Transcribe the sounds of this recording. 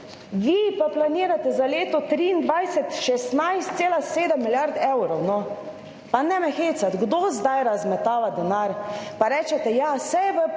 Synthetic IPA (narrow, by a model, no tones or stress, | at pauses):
ʋipaplaniːɾat̪ɛzaleːt̪ɔt̪ɾiːnd̪ʋajsɛt̪ʃɛst̪najst̪seːlaseːd̪ɛmːilʲjaɾd̪ɛwɾɔwnɔ | panɛmɛxeːt̪sat̪ɡd̪ozd̪ajɾazmɛt̪aːʋad̪ɛnaɾpaɾɛːt͡ʃɛt̪ɛjasɛjʋə